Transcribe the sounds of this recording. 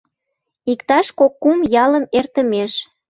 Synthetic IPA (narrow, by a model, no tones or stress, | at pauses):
ikt̪ɑʃkokːumjɑləmert̪əmeʃ